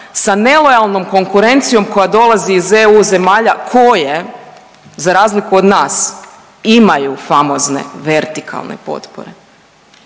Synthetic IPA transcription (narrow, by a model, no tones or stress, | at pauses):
sane̞lˠo̞jalˠno̞mko̞ŋkuɾe̞nt̪sijo̞mko̞jad̪o̞lˠaziːzeuze̞maːʎakʰo̞je̞ | zaɾaːzlikuod̪naːs | imajufamo̞zne̞̰ʋe̞ɾt̪ikʰa̰lˠnḛpo̞̰t̪po̰ɾḛ